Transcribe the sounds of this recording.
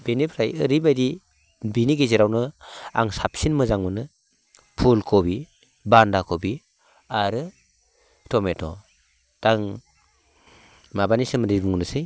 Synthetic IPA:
benipʰɾajɯɾibajdi | biniɡeziɾawnɯa̰ŋsap̚sinmɯzaŋmɯnɯ | pʰulkʰɔbi | bandakʰɔbi | aɾɯ | tʰɔmetʰɔ | d̥aŋ | mabanisɯmɯɾibuŋnɯsɯj

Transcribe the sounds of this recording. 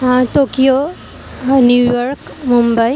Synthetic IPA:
ãʈokijo | njujɔɾkmũmbəj

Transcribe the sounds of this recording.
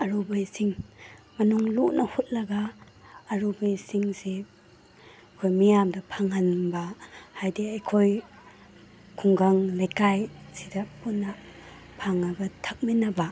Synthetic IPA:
ɐɾubajsiŋmɐnuŋlunʔɐhut̚lɐɡaː | ɾubajsiŋse | kʰojmijamdɐpʰaŋhanbahajdeajkʰoj | kʰuŋɡaŋlajkajsidɐpunːɐ | pʰaŋːabɐtʰak̚minɐba

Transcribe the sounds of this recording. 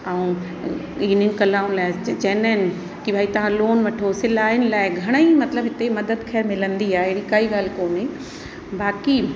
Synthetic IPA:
aũ | iːnɪnɪkɐlaːʊnlaːɪd͡ʑɐnəɪnɪ | kibʱaːit̪ɐʋ̤ãloːnʋɐʈʰosɪlaːɪnɪ̆laːɪɡʱɐɽ̃ə̃imɐt̪ləbɦɪt̪emɐd̪əd̪kʰɐːɾmɪlə̃nd̪iaːeɦɽikaːiɡaːl̤koːnɪ̃ | baːki

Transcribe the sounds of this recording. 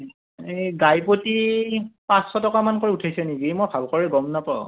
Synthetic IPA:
eɡajpotipãsxɔtɔkamankoɹiutʰajsɛniɡimɔjbʱabkɔɹɛɡɔmnapaʊ

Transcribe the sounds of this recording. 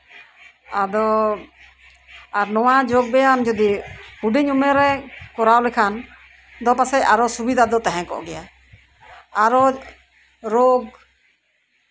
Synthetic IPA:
ad̪ɔ | aɾnɔwad͡ʒɔɡ̚bɛjand͡ʒɔd̪ipuɖiɲumɛɾɛkɔɾawlɛkʰan | d̪ɔpasɛaɾɔsubid̪ʱad̪ɔt̪aɦɛ̃kɔ̰ʔɡɛja | aɾɔ | ɾoɡ

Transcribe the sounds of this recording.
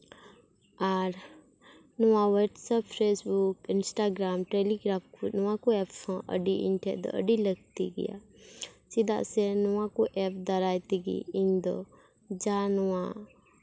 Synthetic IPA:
aɾ | nʊʋãʋəʈsəppʰɾeːsbukɪnsʈaːɡɾaːmʈeːliɡɾaːmkunʊwãkuepːõʔə̰ɖiḭnʈʰed̪o̰ə̰ɖiləɡ̚t̪ḭɡḭja̰sid̪a̰senʊʋãkuʔep̚d̪ɐɾaːjt̪iɡḭĩnd̪o̰ | d͡ʒanʊʋã

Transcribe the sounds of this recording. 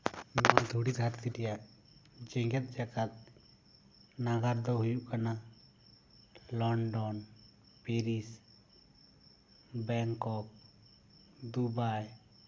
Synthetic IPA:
mad̪ʱuɽit̪aɾt̪ʰiʈɛjaʔ | d͡ʒɛŋɡɛt̪̚ˀd͡ʒaɡat̪̚ | naɡaɾd̪ɔɦujuʔkana | lɔɳɖɔn | peɾis | bɛŋkɔk̚ | d̪ubaj

